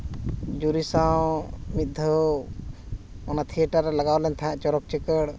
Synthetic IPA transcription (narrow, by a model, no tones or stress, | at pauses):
d͡ʒuɾisawmit̪̚d̪ʱɔ | ɔnat̪ʰiəʈaɾɛlaɡawlɛnt̪ʰãɛ̃ʔt͡ʃɔɾɔk̚t͡ʃɛkəɽ